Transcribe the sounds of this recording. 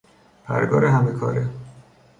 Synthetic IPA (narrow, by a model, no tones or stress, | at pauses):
pʰæ̰ɾɡɒ̰ːɾeɦæmekʰɒ̰ːɾe